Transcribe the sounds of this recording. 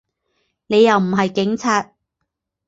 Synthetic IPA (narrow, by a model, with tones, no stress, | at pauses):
ne˨˧jːɐ˨wm̩˨˩ɦɐ˨jkɪ˨˥ŋt͡sʰaː˨˧t̚